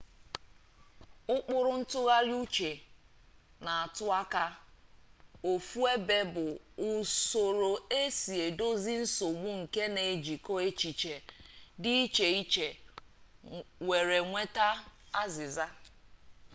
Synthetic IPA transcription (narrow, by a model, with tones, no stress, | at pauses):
ʊ˦k͡pʊ˦ɾʊ˦n̩˦tʊ˦ɣa˦ɾju˦t͡ʃe˨ | na˨a˨tʊ˦a˦ka˦ | o˨fu˦e˦be˦bʊ˨ | ʊ˨so˨ɾo˨e˦si˨e˨do˦zi˦n̩˦so˨ɡ͡bu˦ŋ̩˨ke˦ne˨e˨d͡ʒi˨ko˦e˦t͡ʃi˨t͡ʃe˨dɪ˦i˦t͡ʃe˨i˦t͡ʃe˨ | we˨ɾe˨ŋʷe˦ta˦a˦zɪ˨za˦